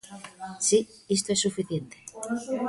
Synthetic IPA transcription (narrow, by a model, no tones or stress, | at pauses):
si | is̬t̪oesːufiθjent̪e̥